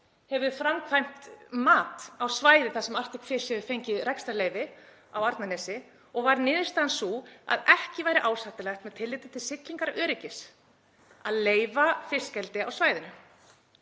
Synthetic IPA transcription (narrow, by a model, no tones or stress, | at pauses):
hɛvʏfɾamkʰvajm̥t̪maːt̪awsvaːjðɪθasɛmar̥t̪ɪkfɪ̥sɛvʏfejɲcɪðɾɛjkst̪aɾleːjvɪ | awaɾt̪nanɛːsɪ | ɔɣvaɾnɪːðɪ̥st̪aːnsua̰ðɛhcɪvaːjɾɪʔaːwsaht̪ɪlɛxt̪mɛðt̪ʰɪlːɪːt̪ɪ̥t̪ʰɪlsɪkliŋkaɾœːɾɪcɪs | aðleːjvafɪ̥scɛlt̪ɪawsvaːjðɪnʏ